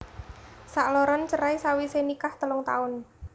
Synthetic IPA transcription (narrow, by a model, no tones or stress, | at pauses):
saʔlɔɾɔnt͡ʃəɾaisawisenikaht̪əlʊŋt̪a̰ʊn